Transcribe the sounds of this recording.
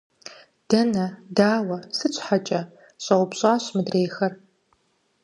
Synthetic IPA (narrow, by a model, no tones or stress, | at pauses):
d̥ɐnɐdaːwɐsɨt͡ɕʷʼħat͡ʃʼɐ | ɕʼɐwʷʊpɕʼaːɕmɨdreːxɐr